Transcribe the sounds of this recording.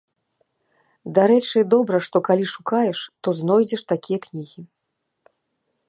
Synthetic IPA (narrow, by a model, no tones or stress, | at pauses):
d̪aɾɛt͡ʂɨd̪ɔbɾɐʂt̪ɔkalʲiʂukajɛʂt̪ɔzn̪ɔjd͡zʲɛʂt̪akʲijɐknʲiɣʲi